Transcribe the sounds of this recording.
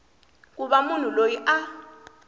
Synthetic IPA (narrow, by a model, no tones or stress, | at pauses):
k̬uɓamun̤ulojiʔa